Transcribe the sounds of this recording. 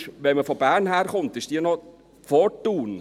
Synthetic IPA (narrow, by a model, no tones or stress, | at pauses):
ʋɛnməfɔbæːɾnhæːɾχʊntɪʃd̥iːnɔ | fɔtːuːn